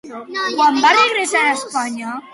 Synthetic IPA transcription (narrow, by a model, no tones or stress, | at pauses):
kwambareɣɾesaɾaspaɲa